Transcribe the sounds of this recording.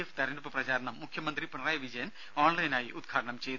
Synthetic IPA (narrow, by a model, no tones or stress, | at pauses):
eft̪ɐɾinupːɨprɐt͡ɕaːɾɐɳɐmːukʰjɐmɐnd̪ripuɳɐraːjɐʋid͡ʑɐjɐn | oːɳlɐjnaːjiʔud̪̚ɡʰʱaːʈɐɳɐmt͡ɕe̞jt̪